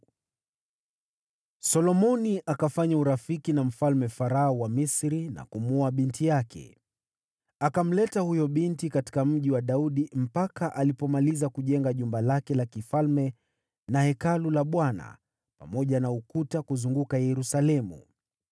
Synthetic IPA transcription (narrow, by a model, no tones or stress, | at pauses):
sɔlɔmɔniʔakafaɲauɾafikinam̩falmɛfaɾaɔwamisɾina̰kumuaɓintijakʰɛ̰ | akam̩lɛtahujɔɓintikati̥kam̩ʄiwaɗauɗim̩pakaʔalipɔmalizakuʄɛŋɡaʄumbalakɛlakifalmɛ | nahɛkalulaɓwana̰ | pamɔʄanaukutakuzuŋɡukajɛɾusalɛmṵ